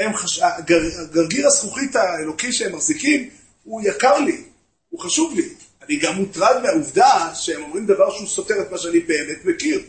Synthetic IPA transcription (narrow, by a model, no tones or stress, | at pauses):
emχaʃaɡaʁaɡaʁɡiʁasχuχit̪aelo̞kiʃehemːaʁzikim | hujakaʁli | uχaʃuvli | aniɡamːut̪ʁadmeauvdaʃehemo̞mʁimd̪avaʁʃeusote̞ʁetmaʃeanibeːmet̪mekiʁ